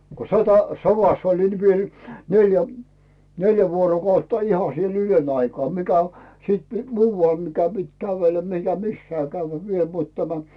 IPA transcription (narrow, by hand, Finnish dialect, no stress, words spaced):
ko sotɑ soʋɑs olin ni mie olʲi neljæ neljæ ʋuorokɑutːɑ ihɑ siel yløn ɑikɑː mikæ o siːt muːʋɑl mikæ pit kæʋelːæ mikæ misːæː kæyʋːæ ʋiel mut tæmæ